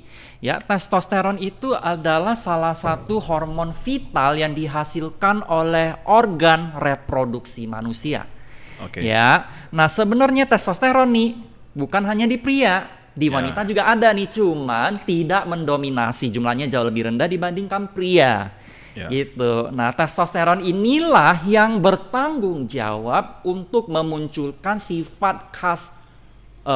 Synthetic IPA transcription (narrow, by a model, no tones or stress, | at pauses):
ja̰t̪ɛst̪ɔst̪eɾɔnit̪uadalahsalahsat̪uɦɔrmɔnfit̪aljaŋdiɦasilkanolɛhʔorɡanrepɾoduksima̰nusia̰kja̰ | nahsəbənərɲat̪ɛst̪ɔst̪eɾɔnːɪh | bukanɦaɲadipɾia | diwanit̪ad͡ʒuɡaʔːdanɪht͡ʃumant̪idaʔməndomina̰sid͡ʒumlahɲad͡ʒawaləbɪhɾəndahdibandɪŋkanpɾia | ɡit̪una̰ht̪ɛst̪ɔst̪eɾɔninilahjaŋbərt̪aŋɡʊŋd͡ʒa̰wab̚unt̪ʊk̚məmuɲt͡ʃulkansifat̪̚kʰas